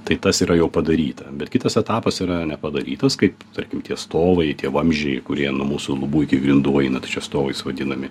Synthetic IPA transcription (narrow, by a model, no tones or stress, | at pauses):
t̪ɐɪt̪ɐsiːɾɐjɛʊpɐd̪ɐɾʲiːt̪ɐbʲɛt̪kʲɪt̪ɐsɛt̪ɑːpɐsiɾɐnʲɛpɐd̪ɐɾʲḭːt̪ɐskɐɪpt̪ɐɾʲkʲɪmt̪ʲiɛst̪oːʋɐɪt̪ʲiɛʋɐmʲʒʲɛɪkʊɾʲiɛnʊmuːsʊlˠʊbuːɪkʲɪɡɾʲɪnd̪uːɐɪnɐt̪ɐɪt͡ʃʲɛst̪oːʋɐɪsʋɐd̪ʲɪnɐmʲɪ